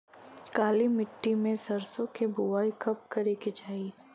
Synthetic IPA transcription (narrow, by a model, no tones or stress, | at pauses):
kaːlimɪʈːimẽsɐɾsõkebʊʋaːikɐp̚kɐɾeked͡ʒaːi